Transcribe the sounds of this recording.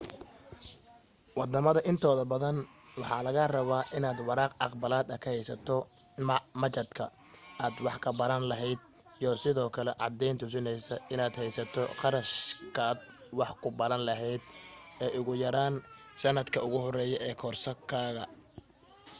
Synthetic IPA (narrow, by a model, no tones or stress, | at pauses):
wɑd̪ɐmɐðɐʔɪnt̪ʰɔːðɐbɐðɐn | wɑħɑːlɐɣɐrɐβaːʔɪnaːd̪wɑɾɑːqʔɑqbɐlaːd̪ɐkʰɐhɛjsɐt̪ʰɔ | mɐmɐt͡ʃɐd̪kʰɐ | aːd̪wɑħkʰɐbɐɾɐnlɐɦɛjd̪̚ | ijɔsɪðɔːkʰɐlɛʔɑ̰d̪ɛjnt̪ʰʊs̬ɪnɛjsɐɪnaːd̪hɛjsɐt̪ʰɔqɑɾɐʃkʰaːd̪ | wɑħkʰʊbɐɾɐnlɐɦɛjd̪ɛːʔʊɣʊjɐɾaːn | sɐnɐd̪kʰɐʊɣʊɦɔrɛːjɔʔɛːkʰɔːrsɐkʰaːɣɐ̰